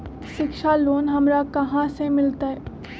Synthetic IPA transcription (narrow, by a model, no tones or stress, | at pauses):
ʃɪkʃaloːnɦɐmɾakɐɦãsemɪlt̪aɦɛː